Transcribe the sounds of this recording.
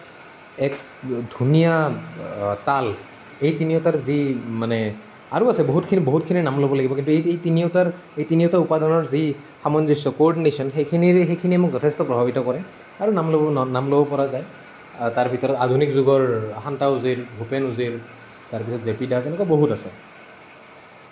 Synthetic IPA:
ɛk | dʱunija | tal | ejtinijɔtaɹzimanɛ | aɹuasɛboɦutkʰiniboɦut̚kʰininamlobɔlaɡibɔkintuejejtiniɔtaɹ | ejtiniɔtaupadɔnɔɹzi | xamɔnzisɔkoɔɹɖinesɔnxejkʰiniɹɛxejkʰiniɛmukzɔtʰɛstɔpɹɔbʱabitɔkɔɹɛ | aɹunamlɔnamlobɔpɔɹazaj | taɹbʱitɔɹɔtadʱunikzuɡɔɹaxantauziɹbʱupɛnuziɹ | taɹpisɔtzepidatɛnɛkaboɦutasɛ

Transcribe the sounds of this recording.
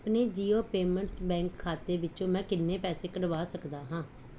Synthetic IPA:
pneːd͡ʒiːoːpeːmə̃ɳʈsbɛ̃ːŋkʰːaːt̪eːʋɪt͡ʃõːmɛ̃ːkɪnːeːpɛːseːkəɖəʋaːsəkd̪aːɦãː

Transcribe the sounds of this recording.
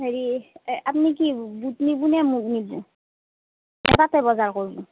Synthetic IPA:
ɦeɹiʔapnik̬ibutnibunɛmut̚nibu | nɛtatɛbɔzaɹkoɹbu

